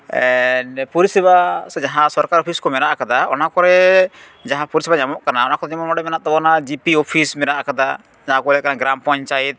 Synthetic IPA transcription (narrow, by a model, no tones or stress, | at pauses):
ɛnpuɾisɛbasɛd͡ʒaɦãsɔɾkaɾɔpʰiskɔmɛɾaʔkad̪aɔnakɔɾɛ | d͡ʒaɦãpuɾisɛbaɲamɔʔkanaɔnakɔɾɲamɔmɔɖɛmɛnaʔ̚t̪ɔbɔnad͡ʒipiopʰismɛɾaʔkad̪a | d͡ʒaɦãkɔlɛʔkanaɡɾampɔ̃ɲt͡ʃajɛt̪̚